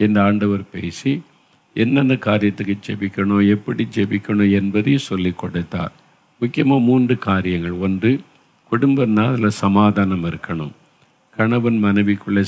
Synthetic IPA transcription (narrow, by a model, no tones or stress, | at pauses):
ɛnd̪ɐaːɳɖɐʋɐɾpeːsi | ɛnːɐnd̪ɐkaːɾɪjɐt̪ːɯkːɯt͡ʃɛʋɪkʲːɐɳoɛpːɐɽid͡ʒɛʋɪkːɐɳʊɛnbɐðɐjsɔlːikːɔɽɐɪt̪ːa̰ːɾ | mʊkːɪjɐmaːmuːndrɯkaːɾɪjɐŋɡɐɭɔndrɯ | kʊɽʊmbɐɾnaːðɐlɐsɐmaːðaːnɐmɪɾɯkːɐɳɯm | kɐɳɐʋɐnmɐnɐɪʋɪkːɯɭːɐ